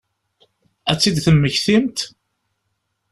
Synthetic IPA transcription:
æt͡sːid̪θəːəçθimt̪

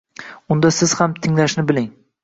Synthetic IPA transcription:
ʊnd̪asɪz̥hamt̪ʰɪŋlaʃnɪbɪlɪŋ

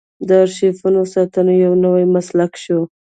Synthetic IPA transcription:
d̪əɾʃefunosɑt̪ənojawnəwajmaslakʃo

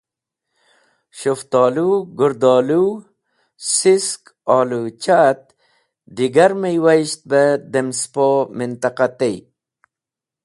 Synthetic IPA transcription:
ɕuft̪ɔːluɡuɾd̪oːlu | sisk | ɔːlut͡ɕat̪̚ | d̪iɡaɾmejwaɕt̪̚bəd̪emspomint̪aqat̪ej

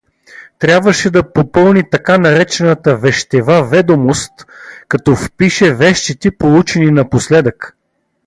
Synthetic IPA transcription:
t̪ɾʲjabvəʃɛd̪ɐpopɤlˠnit̪ɐkanɐɾɛt͡ʃɛnət̪əvɛʃt̪ɛvavɛd̪omost̪kɐt̪ɔfpiʃɛvɛʃt̪it̪ɛpolˠut͡ʃɛninɐposlɛd̪ək

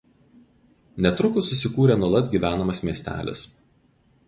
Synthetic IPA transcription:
nʲɛt̪ɾʊkʊsːʊsʲɪkuːɾʲeˑnuɔlˠɐd̪ʲɡʲiːʋʲæːnɐmɐsmʲiɛsʲt̪ʲæ̰ːlʲɪ̰s

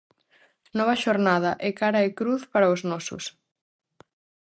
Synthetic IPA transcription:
nɔβɐʃoɾnað̞ɐʔɛkaɾɐɪkɾuθpaɾɐʊznɔsʊ̰s

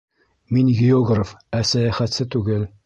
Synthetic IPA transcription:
minɡʲɪoɡrəfæsæjæχæt̪sɘt̪ʉɡɘl

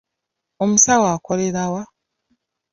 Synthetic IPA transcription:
o̞musawaːko̞le̞ɾawa

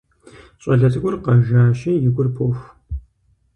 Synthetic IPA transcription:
ɕʼɐɮɐtʼɨɡʷʊrqɐʒaːɕɐjɪɡʷʊrpʰoːxʷ

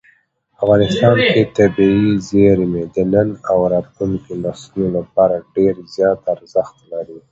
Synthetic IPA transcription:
afɣɑnɪst̪ɑnket̪abiizeɾmed̪ənənawɾɑt̪luŋkinaslolapɑɾaɖeɾzjɑt̪aɾzəxt̪laɾi

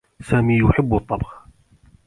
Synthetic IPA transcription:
saːmiːjʊħɪbːt̪ˤːɑbɣ

